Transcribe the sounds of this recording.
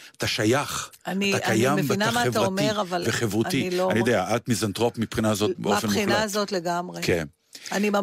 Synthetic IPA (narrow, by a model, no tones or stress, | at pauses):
at̪aʃajaχanaitakajamvbinamaevtaʁaomeʁavalveχevʁutiloanijod̪eaʔat̪mizant̪ʁopmipχinaːzo̞t̚beofenχinlaːzot̪leɡamʁeken | anima